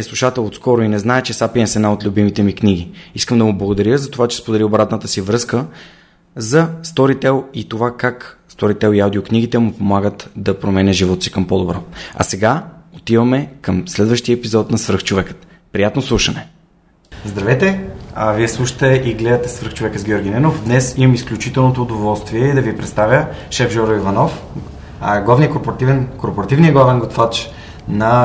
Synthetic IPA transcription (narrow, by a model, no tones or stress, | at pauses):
ɛslˠuʃat̪ɛlˠot̪skɔɾʊinɛznaɛt͡ʃɛsapiɛmsɛnaot̪lʲubimit̪ɛmikniɡ̟iiskəmd̪ɐmʊblˠɐɡʊd̪ɐɾjəzɐt̪ovat͡ʃɛ̥spod̪ɛliobɾat̪nət̪əsivɾɤskə | zɐst̪ɔɾit̪ɛlˠit̪ovakakst̪ɔɾit̪ɛlˠiawd̪iokniɡit̪ɛmʊpomaɡət̪d̪ɐpɾomɛnʲəʒivɔt̪osi̥kəmpod̪obɾɔɐ̰sɛɡaot̪ivɐmɛkəmslɛd̪vəʃt̪iəɛpizɔt̪nɐsvɾxt͡ʃovɛkə̥t̪ | pɾijat̪noslˠuʃɐnɛ | zd̪ɾɐvɛt̪ɛaviɛslˠuʃə̥t̪ɛʔiɡlɛd̪ət̪ɛsvɾ̩xt͡ʃovɛkəzɡʲiɔɾɡʲinɛnofd̪nɛsimɐmisklʲut͡ʃit̪ɛlˠnot̪oːd̪ovɔlˠst̪viɛid̪ɐvipɾɛt̪st̪avjəʃɛfʒɔɾoivɐnɔf | ɡlˠavnijəkoɾpoɾɐt̪ivɛnkoɾpoɾɐt̪ivnijəɡlˠavɛnɡot̪fat͡ʃ | nɐ